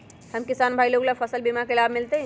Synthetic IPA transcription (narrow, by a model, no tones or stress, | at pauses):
hɐmkɪsaːnbʱaːiloːɡlafʰəsəlbimakelaːbmɪlt̪eɦɛ̃